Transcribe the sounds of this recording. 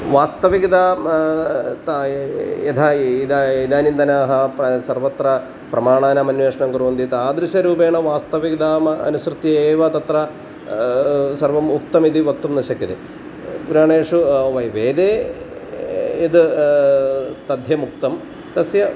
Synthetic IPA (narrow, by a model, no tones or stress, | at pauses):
ʋaːst̪ɐʋiɡid̪aːm | t̪ | et̪ʰɐid̪id̪aːnind̪ɐnaːɦɐpɐsɐrʋɐt̪rɐ | pɾɐmaːɳaːnɐmɐnʋeːʂɐɳɐmkuɾuːund̪it̪aːd̪ɾiʃɐɾuːbeːɳɐʋaːst̪ɐʋiɡid̪aːmɐɐ̰nusɾɨt̪ːjɐeːʋɐt̪ɐt̪rɐ | sɐrʋɐmukt̪ɐmid̪iʋɐk̚t̪ɐmnɐɕɐkːɐd̪e | puɾaːɳeːʂuʋɐjʋeːd̪eː | id̪ɨ | t̪ɐd̪ʱjɐmuk̚t̪ɐm | t̪ɐsjɐ